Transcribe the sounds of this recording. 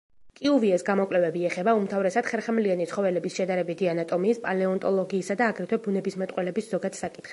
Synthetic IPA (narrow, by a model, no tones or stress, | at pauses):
kʼiuviɛsɡamɔkʼlɛvɛbiɛχɛbaumt̪ʰavɾɛsad̪̥χɛɾχɛmlianit̪sʰχɔvɛlɛbisʃɛd̪aɾɛbit̪ʰianat̪ʼɔmiːspʼalɛɔnt̪ʼɔlˠɔɡiːsad̪aːɡɾɛt̪ʰwɛbunɛbismɛt̪ʼqʼwɛlɛbiszɔɡat̪ʰsakʼi̥t̪χ